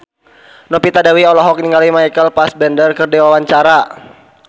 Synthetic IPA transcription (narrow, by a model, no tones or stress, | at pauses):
nɔpit̪adawiɔlɔɦɔk̚niŋɡalimajkəlpasbɛndərkərdiwawaɲt͡ʃaɾa